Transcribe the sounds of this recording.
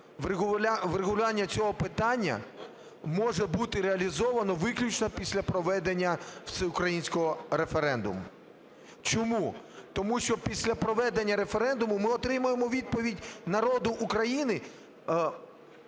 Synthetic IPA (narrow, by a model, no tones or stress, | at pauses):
ʋʲʋreɦʊlʲʊanʲːɐt͡sʲɔɦɔpɪt̪ɑnʲːɐ̰ | mɔʒɛbut̪ɪɾeɐlʲizɔʋɐnɔʋɪklʲʊt͡ʃnɐpʲisʲlʲɐpɾɔʋɛd̪enʲːɐw̪sɛʊkɾɐjinʲsʲkɔɦɔɾefeɾɛnd̪ʊ̰mʊ̰ | t͡ʃɔmu | t̪ɔmuʃt͡ʃɔpʲisʲlʲɐpɾɔʋɛd̪enʲːɐɾe̞feɾɛnd̪ʊmʊmɪɔt̪ɾɪmʊjemɔʋʲid̪̚pɔʋʲidʲnɐɾɔd̪ʊʔːkɾɐjinɪ